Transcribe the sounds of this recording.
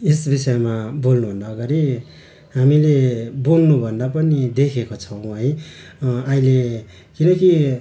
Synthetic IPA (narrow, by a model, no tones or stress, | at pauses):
esbisʌjmabolnuɦund̪aɡʌɾi | ɦamileboŋnubʱʌnd̪apʌnid̪ekʰekot͡sʰʌw̃ɦʌj | ʌile | kinʌki